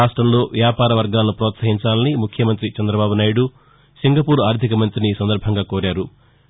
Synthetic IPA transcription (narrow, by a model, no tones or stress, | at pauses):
aːʂʈɾɐmlo̞ːʋjaːpaːɾɐʋɐɾɡaːlɐnupɾɔːt̪sɐɦiɲt͡ʃaːlɐnimukʰjɐmɐnt̪ɾit͡ʃɛnd̪ɾɐbaːbunaːjɐɽu | siŋɡɐpuːɾaːɾd̪ʱikɐmɐnt̪ɾiniːsɐnd̪ɐɾbʱɐŋɡaːkoːɾaːɾu